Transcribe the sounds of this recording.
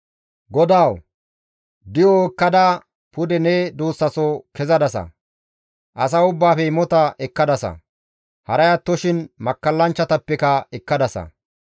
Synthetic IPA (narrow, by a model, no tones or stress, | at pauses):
ɡɔd̪aːw | d̪ɪjɔɛkːɐd̪a | pʊd̪ɛnɛd̪oːsːɐsɔkɛzɐd̪ɐsɐ̰ | ʔɐs̬ɐʊbːaːfɛɪmɔt̪ɐʔɛkːɐd̪ɐsɐ̰ | hɐɾɐjɐt̪ːɔʃɪnmɐkːɐlːɐnt͡ʃːɐt̪ɐpːɛkɐɛkːɐd̪ɐsɐ̰